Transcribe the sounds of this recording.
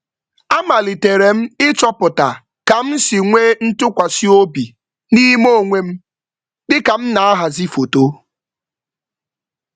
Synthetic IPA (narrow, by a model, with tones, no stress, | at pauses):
a˦ma˨li˨te˨ɾe˨m̩˦ɪ˦t͡ʃɔ˦pʊ˨ta˨ | ka˨m̩˦si˨ŋʷe˦n̩˦tʊ˦kʷa˨si˦o˦bi˨ | ni˦mo˦˨ŋʷe˦m̩˦ | dɪ˦ka˨m̩˦na˨a˦ɦa˨zi˦fo˨to˦